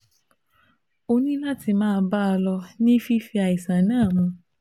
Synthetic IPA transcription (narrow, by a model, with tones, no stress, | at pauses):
o˧nĩ˦la˦ti˧mãː˦˧˦ba˦a˧lɔ˧nĩ˦fi˦fi˧a˨i˨sa˨nãː˦˨mũ˧